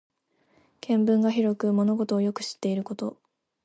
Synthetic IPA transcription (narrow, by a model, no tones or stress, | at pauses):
kʰẽ̞mbɯ̟̃ŋɡaçiɾo̞kɯ̟mo̞no̞ɡo̞t̪o̞ːjo̞kɯ̟̥ɕi̥t̪ːe̞iɾɯ̟ko̞t̪o̞̰